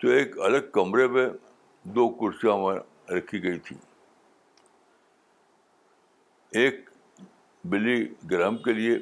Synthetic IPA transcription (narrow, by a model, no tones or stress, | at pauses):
t̪oeːkɐləɡ̚kɐmɾepẽ | d̪oːkʊɾsjãmẽ | ɾɐkʰiɡɐit̪ʰḭː | eːk̚ | bɪlːiɡɾəɦəmkelie